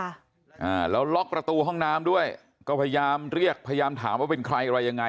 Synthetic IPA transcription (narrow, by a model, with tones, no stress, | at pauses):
ʔaː˧˩lɛː˦˥wlɔ˦˥k̚pɾa˧t̪uː˧ɦɔ˥˩ŋnaː˦˥mdu˥˩əj | kɔː˥˩pʰa˧ja˧jaː˧mɾi˥˩ək̚pʰa˧ja˧jaː˧mt̪ʰaː˩˦mwaː˥˩pe˧nkʰɾa˧jʔa˧ɾa˧jːa˧ŋa˧